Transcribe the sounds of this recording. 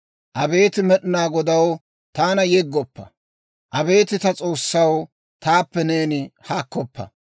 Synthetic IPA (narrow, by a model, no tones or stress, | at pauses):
ʔɐbe̞ːt̪ɪmɛɗɪnaːɡɔd̪ɐw | t̪aːnɐjɛɡːɔpːɐ̰ | ʔɐbe̞ːt̪ɪt̪ɐt͡sʼo̞ːsːɐw | t̪aːpːɛne̞ːnɪhaːkːɔpːɐ̰